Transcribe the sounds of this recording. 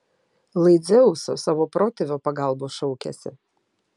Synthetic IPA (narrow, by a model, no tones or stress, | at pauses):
lˠɐɪd̪zʲɛʊso̰saːʋopɾɔt̪ʲɛʋʲopɐɡalˠboːʃɔʊkʲɛ̰sʲɪ̰